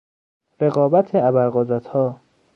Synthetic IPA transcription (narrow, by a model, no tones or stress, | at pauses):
ɾe̞ɣɒːbæt̪ʰeæbælɢod̪ɾæt̪ʰhɒː